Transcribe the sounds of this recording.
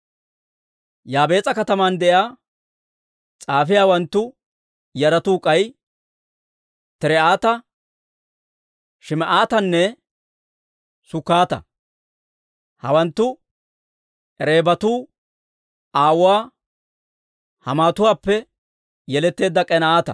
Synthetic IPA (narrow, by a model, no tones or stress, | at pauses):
jaːbe̞ːt͡sʼɐkɐt̪ɐmand̪ɛʔjaː | t͡sʼaːfɪjaːwɐnt̪ːʊ | jɐɾɐt̪uːkʼɐj | t̪ɛɾɛaːt̪ɐ | ʃɪmɛʔaːt̪ɐnːɛ | sʊkːaːt̪ɐ̰ | hɐ̰wɐnt̪ːʊ | ʔɛɾe̞ːbɐt̪uː | aːwʊwaː | hɐmaːt̪ʊwaːpːɛ | jɛlɛt̪ːe̞ːd̪ːɐkʼɛnɐaːt̪ɐ̰